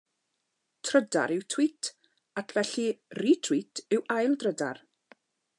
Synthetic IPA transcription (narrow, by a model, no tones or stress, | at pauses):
tʰrəda̰ɾɪwtʰw̥itʰ | atʰvɛɬiriːtʰw̥itʰɪwajlˠdrəda̰r